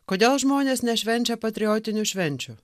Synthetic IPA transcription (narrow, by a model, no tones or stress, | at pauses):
koːd̪ʲeːlˠʒmoːnʲeːsnʲɛʃʲʋʲɛnʲt͡ʃʲɛpɐt̪ʲɾʲɪjoːt̪ʲɪnʲuʃʲʋʲɛnʲt͡ʃʲuː